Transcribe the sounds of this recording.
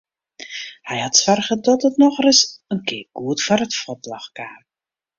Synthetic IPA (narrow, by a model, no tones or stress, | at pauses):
hɛjhatsʋarɣədɔtətnɔxrɪsənkɪːrɡ̥uətfarətfɔtla̰xkaːm